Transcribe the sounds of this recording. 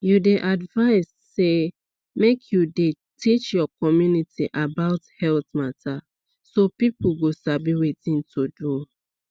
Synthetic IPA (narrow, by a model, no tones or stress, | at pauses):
judeʔadvaɪsːe | mekʰjude | tʰit͡ʃjɔkɔmjunitʰiʔabaʊthɛltmatʰa | sopipuɡosabiwetĩntʰodu